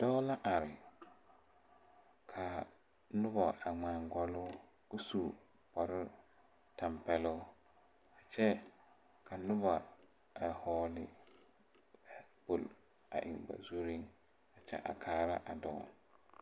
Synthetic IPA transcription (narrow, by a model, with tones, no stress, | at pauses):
d̥ɔ˦la˦ʔa˨ɾɪ˨ | kʰa˨ | nʊ˦bɔ˨a˨ŋ͡maː˨ŋɡɔ˦lʊ˦ | u˦su˨ | pɔ˨ɾɪ˦ | ta˨mpɛ˨lʊ˦ | a˨t͡ʃɛ˦ | kʰa˨nʊ˦ba˨ | a˨hɔː˦lɪ˦ | a˨bo˨l | a̰˨ʔɪ̰˨ŋba̰˨zu˦ɾi˦ŋ | a˨t͡ʃɛ̰˦ʔa̰˨kʰaː˦ɾa̰˦ʔa˨dɔ̰˦˨